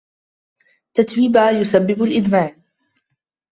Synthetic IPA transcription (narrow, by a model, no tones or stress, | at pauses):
t̪at̪wiːbajʊsabːɪbalʔɪd̪maːʕ